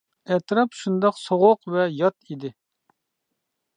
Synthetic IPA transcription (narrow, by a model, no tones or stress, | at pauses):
ɛt̪ɾɑpʃund̪ɑqsoʁʊqvɛjɑt̪id̪ɪ